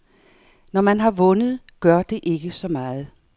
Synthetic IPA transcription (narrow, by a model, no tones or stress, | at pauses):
nɒmænɦɑ̈ʋɔ̽nəð̞̩ˠ | ɡ̥ɶɐ̰d̥e̝ʔe̝ɡ̥əsɒ̽mɑ̈ːð̩ˠ